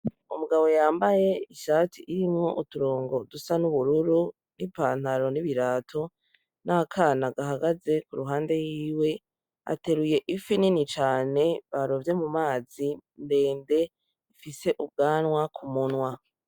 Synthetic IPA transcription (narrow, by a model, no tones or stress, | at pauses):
umuɡaβo̞jaːmbaje̞iʃaːtʰiʔiɾimŋo̞ʔutuɾoːŋɡo̞dusanuβuɾuɾu | nipaːn̥haɾo̞niβiɾaːtʰo̞ | nakʰaːnaɡaɦaɡaze̞kuɾuɦaːnde̞jiːwe̞ | a̰te̞ɾuje̞ʔifininit͡ʃaːne̞βaɾovje̞mumaːzinde̞ːnde̞ | ifise̞ʔub̚ɡaːnwakʰumunwa